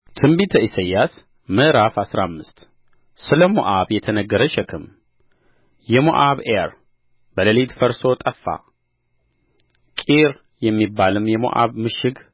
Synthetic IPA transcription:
t̪ʰɨmbit̪ʰəisəjːas | məʔɾafasɾamːɨst̪ | sɨləmo̰ʔaβjɛt̪ʰənəɡːəɾəʃɛkʰɨm | jɛmo̰ʔaβeɾ | bələlet̪fəɾso̞t̪ʼəfːa̰ | kʼiɾ | jɛmːibːalɨmjɛmo̰ʔa̰βmɨʃɪɡ

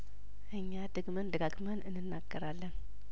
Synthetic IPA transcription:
ʔɨɲːad̪ɨɡmənd̪əɡaɡmənɨnːɨnːaɡ̥ːəɾalːən

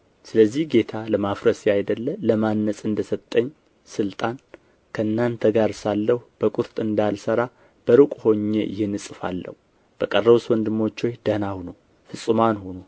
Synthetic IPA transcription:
sɨləzːihɡe̞t̪ʰaləmafɾəsajd̪əlːələmanːəsʼɨnd̪əsət̪ʼːəɲː | sɨlt̪ʼan | kʰəɨnːant̪ʰəɡaɾsalːəhub̥əkʼuɾt̪ʼɨnd̪alsəɾa | b̥əɾɨkʷʼho̞ɲːḛjɪhɨnːɨsʼɨfa̰lːə̰hu | b̥əkʼərːəwuswɔnd̪ɨmːo̞t͡ʃːo̞jd̪̥ənahuno | fɨsʼɨmanhono

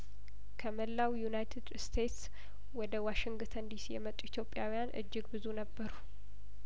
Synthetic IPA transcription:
kʰəməlːawjunajt̪ʰed̪st̪ʰe̞t̪s | wɔd̪əwaʃɪŋɡt̪ʰənd̪isijɛmət̪ʼuit̪ʰjo̞pʼjawijanʔɨ̰d͡ʒːɪɡbɨzunəbːəɾu

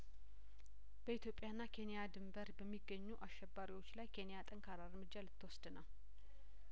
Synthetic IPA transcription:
b̥əit̪jo̞pʼːjanːakʰe̞nijad̪ɨmbəɾbəmːiɡːəɲːuʔaʃːɛbːaɾiwo̞t͡ʃːlajkʰe̞nijat̪ʼəŋkʰaɾaɾmɨd͡ʒːalɨt̪ːwɔsd̪ənəw

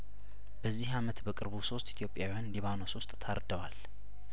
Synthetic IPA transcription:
b̥əzːihamət̪bəkʼɨɾβuso̞st̪it̪ʰijo̞pʼjawijanliβanosʊst̪ʼt̪ʰaɾd̪əwal

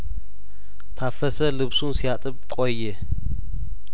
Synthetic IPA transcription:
t̪ʰafɐsɐlɨβsunsijat̪ʼɨb̚kʼojːɪ

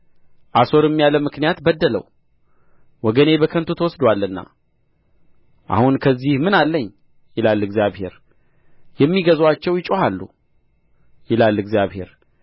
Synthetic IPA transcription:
ʔaso̞ɾɨmːijaləmɨknijat̪bəd̪ːələ̰w | wɔɡəne̞bəkʰənt̪ʰot̪ʰəwɔsd̪walːɨnːa̰ | ʔa̰hunkʰəzːihmɨnalːəɲː | jɪlalɨɡzijaβhe̞̰ɾ | jɛmːiɡəzwat͡ʃːɛwjɪt͡ʃʼohalːṵ | jɪlalɨɡzjaβhe̞̰ɾ

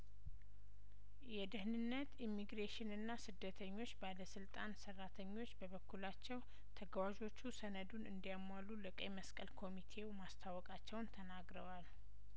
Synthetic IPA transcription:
jɛd̪ɨhnɨnːət̪imːiɡɾeʃɪnɨnːasɨd̪ːət̪ʰəɲːo̞t͡ʃːbaləsɨlt̪ʼansərːat̪ʰəɲːo̞t͡ʃːbəβəkʰːulat͡ʃːɛw | t̪ʰəɡəwad͡ʒo̞t͡ʃːusənəd̪unɨnd̪ijamwaluləkʼəjməskʼəlkʰo̞mit̪ʰe̞wmast̪ʰawɔkʼat͡ʃːɛwnt̪ʰənaɡɾəwal

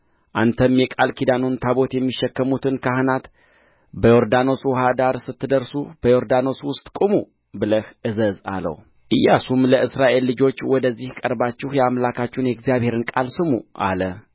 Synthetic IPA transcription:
ʔant̪ʰəmjɛkʼalkʰid̪anont̪ʰaβo̞t̪jɛmːiʃːɛkːəmut̪ʰɨnkʰahɨnat̪ | bəjo̞ɾd̪ano̞swhad̪aɾsɨt̪ːɨd̪əɾsub̥əjo̞ɾd̪ano̞swʊst̪ʼkʼumu | bɨləhɨzəza̰lə̰w | ʔɨjːasumləʔɨsɾaʔe̞lːɨd͡ʒo̞t͡ʃːwɔd̪əzːihkʼəɾbat͡ʃːɪhjɛamlakʰat͡ʃːunjɛɡzijaβhe̞ɾɨnkʼalsɨmuʔa̰lə

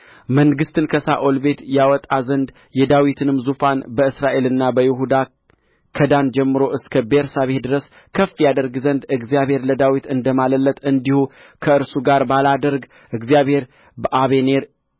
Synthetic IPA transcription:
məŋɡɨst̪ʰɨnkʰəsa̰ʔolbe̞t̪jawɔt̪ʼazənd̪ | jɛd̪awit̪ʰɨnɨmzufanbəɨsɾaʔe̞lɨnːabəjɪɦud̪a | kʰəd̪and͡ʒɛmːɨɾo̞ʔɨskʰəbeɾsaβe̞t̪d̪ɨɾəs | kʰəfːijad̪əɾɡzənd̪ɨɡzijaβhe̞ɾləd̪awit̪ɨnd̪əmaləlːət̪ʼɨnd̪ihu | kʰəɨɾsuɡaɾbalad̪əɾɡ | ʔɨɡzijaβhe̞ɾ | bəʔaβene̞ɾ

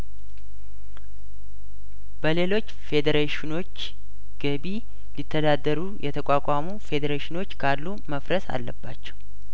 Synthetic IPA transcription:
b̥əle̞lo̞t͡ʃːfe̞d̪əɾeʃino̞t͡ʃː | ɡ̥əbi | lit̪ʰːəd̪ad̪ːəɾujʔɛt̪ʰəkʼakʼamufe̞d̪əɾeʃɪno̞t͡ʃːkʰalːuməfɾəsa̰lːəbːat͡ʃːɛ̥w

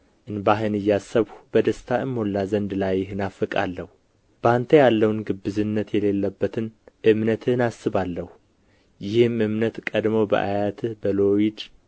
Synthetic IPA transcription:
ʔɨnbaɦɨnɨjːasːəβhubəd̪əst̪ʰaɨmːolːazənd̪lajhɨnafɨkʼa̰lːəhu | b̥ant̪ʰəjalːəwnɡɨbːɨzɨnːət̪jɛle̞lːəbːət̪ʰɨnʔɨmnət̪ʰɨnasɨβalːəhu | jɪhɨmɨmnət̪kʼəd̪mowbə̰ʔa̰jat̪ʰɨbəlo̞jid̪

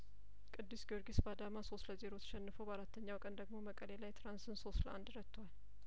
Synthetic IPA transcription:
kʼɨd̪ːɨsɡoɾɡisbad̪amaso̞st̪ləze̞ɾo̞t̪ʰə̥ʃɛnːɨfəwbəaɾat̪ʰːəɲːawkʼənd̪əɡmo̞məkʼəlelajt̪ʰɾansɨnso̞st̪ləʔand̪ɾət̪ʰːowal

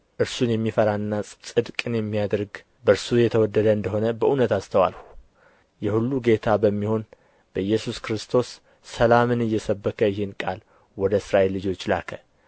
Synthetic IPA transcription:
ʔɨɾsunjɛmːifəɾanːasʼsʼɨd̪kʼɨnjɛmːijad̪ɾɡ | bəɨɾsujɛt̪ʰəwɔd̪ːəd̪əɨnd̪əɦo̞nəbəʔunət̪ast̪ʰəwa̰lhu | jɛhulːuɡe̞t̪ʰabəmːiho̞n | b̥əjːɛsuskɾɨst̪ʰo̞sː | əlamɨnɨjːɛsəbːəkʰəjɪhɨnkʼal | wɔd̪əsɾaʔe̞lːɨd͡ʒo̞t͡ʃːla̰kʰə

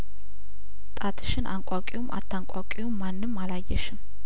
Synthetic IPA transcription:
t̪ʼat̪ʰɨ̥ʃɪnʔaŋkʷʼakʼiwumʔa̰t̪ʰːaŋkʼakʼiwumːanːɨmːalajːɛʃɪm

